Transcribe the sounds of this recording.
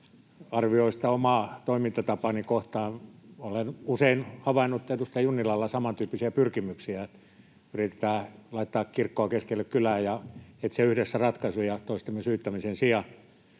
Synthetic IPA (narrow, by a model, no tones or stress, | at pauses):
ɑrʋioist̪æomɑt̪oimint̪ɑt̪ɑpɑnikoht̪ɑːnolenuseinhɑʋɑinːut̪ːet̪ust̪æjunːilɑlːɑsɑmɑnt̪yːpːisiæpyrkimyksiæet̪ | yrit̪e̥t̪æːlɑit̪ːɑːkkirkːoɑkeskelːekkylæːjjɑet̪seyhdesːærɑt̪kɑsujɑt̪oist̪emːesyːt̪ːæmisensiɑ